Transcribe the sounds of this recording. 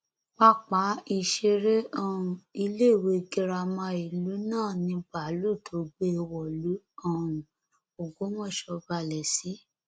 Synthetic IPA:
k͡pa˦k͡pa˨˦i˧˨ʃe˧ɾe˦ʔɔ˦˨ũ˨i˧le˦˨we˧ɡi˧ɾa˧mã˧i˨lu˨˦nãː˦˨nĩ˧ba˨˦lu˦˨tʰo˨˦ɡ͡be˦˧wɔ˨lu˨˦ | ɔ̃˦˨ũ˨ | o˨ɡo˨˦wɔ̃˦˨ʃɔ˧ba˧˨lɛ˨si˨˦

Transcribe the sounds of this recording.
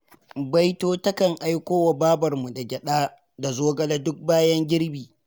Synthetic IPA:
ba˦jtoː˦tɐ˦kɐ˨ŋʔa˦jkʷoː˦wa˨baː˦bɐ˨rmu˨da˨ɡʲɛ˨ɗaː˦ | da˨zoː˦ɡɐ˦lɐ˦dʊ˦k̚baː˦jɐ˦ŋɡʲɪ˦ɽbiː˨

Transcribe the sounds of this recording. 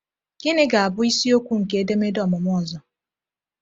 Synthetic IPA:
ɡ̥ɪ˦nɪ˦ɡa˨a˨bʊ˦i˦si˦o˦kʷu˦ŋ̩˨ke˨˦e˦de˦me˦dɔ˨mʊ˨m˦ɔ˦˨zɔ˨

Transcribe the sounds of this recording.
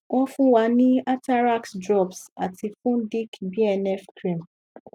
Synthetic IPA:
w̃ɔ̃˦fũ˦wa˨˧˦nĩ˦a˦ta˦ɾa˦ksdɾɔ˦˨bsa˨ti˧fũ˦di˦kbi˦ɛ˧nɛ˦fkɾĩ˦˨m

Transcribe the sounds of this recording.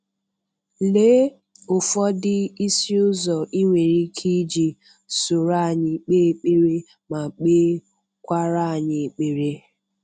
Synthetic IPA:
le˦ | ʊ˨fɔ˦dɪ˦i˦si˦ʊ˦zɔ˨ʔi˦ŋʷe˨ɾi˦kʰi˦d͡ʒi˨ | so˨ɾa˦˨ɲɪ˨k͡peː˦k͡pe˦ɾe˦ | ma˨k͡pe˦ | kʷa˦ɾa˦˨ɲɪ˨k͡pe˨ɾe˦

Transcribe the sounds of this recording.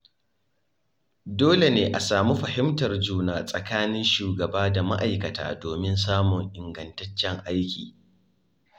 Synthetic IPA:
doː˦le˨neː˦ʔa˨saː˨mu˦ɸɐ˨hɪ˦mtɐ˨rd͡ʒuː˦naː˨sʼɐ˨kaː˦nɪ˦nʃuː˨ɡɐ˨baː˦da˨ma̰˦ʔa˨jkɐ˨ta̰ː˨doː˨mɪ˦ns̬aː˦mʊ˨ŋʔɪ˨ŋɡɐ˨ntɐ˦t͡ʃːɛ˦ŋʔa˦jkʲiː˨

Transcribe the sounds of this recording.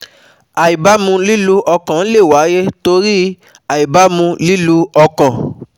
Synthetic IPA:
a˨i˨ba˨˦mũ˧li˦lu˧ʔɔ˧kã˨n̩˦le˦˨wa˨˦je˦to˧ɾi˦ | a˨i˨ba˨˦mũ˧li˦lu˧ɔ˧kã˨

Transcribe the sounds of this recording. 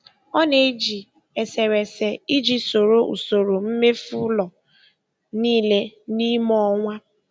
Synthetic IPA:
ɔ˦ne˦d͡ʒi˨ | e˨se˨ɾe˨se˨i˦d͡ʒi˨so˨ɾo˦ʔṵ˨so˨ɾo˨m̩˦me˦fu˦lɔ˨ | niː˦le˦ni˦mɔ˦ŋʷa˦

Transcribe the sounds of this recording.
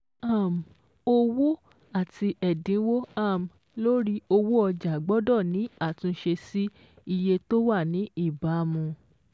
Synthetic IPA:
a˦˨m˨ | o˧wo˦ | a˦˨tʰi˧ɛ˨dĩ˨˦wo˦a˦˨m˨ | lo˦ɾi˦o˧wo˦ɔ˧d͡ʒa˨ɡ͡bɔ˦dɔ˦˨nĩ˨˦a˦˨tũ˧˦ʃe˧si˦ | i˧je˧to˦wa˦˨nĩ˨˦i˦˨ba˨˦mũ˧

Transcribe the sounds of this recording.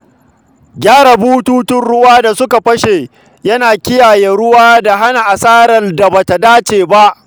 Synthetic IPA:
ɡʲaː˦ɽa˨buː˦tuː˦tʊ˦nɽʊ˦waː˦da˨sʊ˦ka˨ɸɐ˦ʃe˨ | jɐ˦naː˨kʲɪ˦jaː˨jeː˨ɽʊ˦waː˦da˨ɦa˦na˨ʔa˨saː˦ɾɐ˨da˨ba˨ta˨daː˦t͡ʃeː˨ba˦ʔ

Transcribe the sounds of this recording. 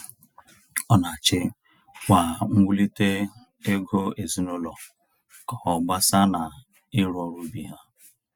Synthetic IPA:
ɔ˦na˨a˨t͡ʃɪ˦ | wʷa˨ŋ̩˦ɡʷu˦li˦te˦ | e˦ɡo˦e˨zi˦no˦lɔ˨ | ka˨hɔ˨ɡ͡ba˦sa˦na˨ | ɪ˦ɾɔ˦ɾu˦bi˨ɦa˦

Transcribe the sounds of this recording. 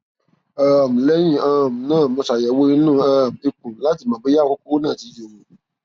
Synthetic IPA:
a˦˨m̩˨lɛ˦jĩ˦˨ã˦˨m̩˨nãː˦˨mɔ̃˧sa˨jɛ˨wo˦i˦nũ˦a˦˨m̩˨e˧kũ˨la˨˦ti˦˨mã˨be˦ja˦˨ko˦ko˦wo˦nãː˦˨ti˨˧jo˨wo˨

